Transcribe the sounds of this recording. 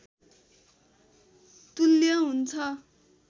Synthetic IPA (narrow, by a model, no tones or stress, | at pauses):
t̪ulːjʌɦunt͡sʰʌ